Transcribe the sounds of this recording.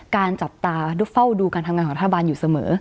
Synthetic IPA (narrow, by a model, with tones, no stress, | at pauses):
kaː˧nt͡ɕa˨˩p̚t̪aː˧du˦˥fa˥˩wduː˧kaː˧nt̪ʰa˧mŋaː˧kʰɔ˩˦ɾt̪ʰːabaː˧njuː˨˩sa˧mɤ̰ː˩˦